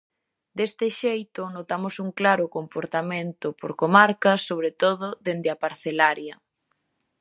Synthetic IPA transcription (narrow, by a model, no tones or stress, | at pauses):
d̪est̪ɪʃejt̪ʊnot̪amosuŋklaɾʊkompoɾt̪amẽnt̪ʊpo̰ɾkomaɾkɐsːoβ̞ɾet̪oðʊðend̪ɪapaɾθelaɾjɐ